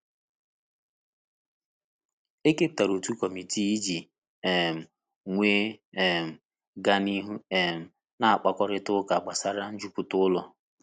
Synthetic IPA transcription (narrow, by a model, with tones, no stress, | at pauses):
e˦ke˦p̚ta˨ɾo˨tu˦kɔ˨mi˨ti˦i˦d͡ʒi˨ | e˨m̩˨ | ŋʷeː˦e˨m̩˨ | ɡa˦ni˦ɦu˦e˨m̩˨ | na˦˨a˨k͡pa˨kɔ˦ɾɪ˦tʊ˦ka˨ɡ͡ba˨sa˦ɾa˦n̩˦d͡ʒu˦pʊ˨tʊ˦ʊ˦lɔ˨